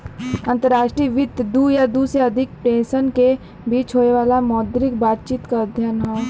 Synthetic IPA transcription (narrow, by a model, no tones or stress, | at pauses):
ə̃nt̪əɾaːʃʈɾiʋɪt̪d̪uːjad̪uːsɾeɐd̪ʱɪk̚pɾẽːsənke | biːt͡ʃɦoeʋaːlamɔːd̪ɾɪk̚baːt̪̚t͡ʃiːt̪kaəd̪ʱjənɦɛ̃ː